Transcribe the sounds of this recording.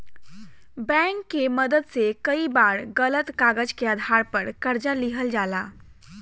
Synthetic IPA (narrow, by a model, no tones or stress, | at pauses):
bɛ̃ŋkːeməd̪əd̪sekəibaɾɡələt̪kaɡəd͡ʒkeəd̪ʱaɾpəɾkəɾd͡ʒaliɦəld͡ʒala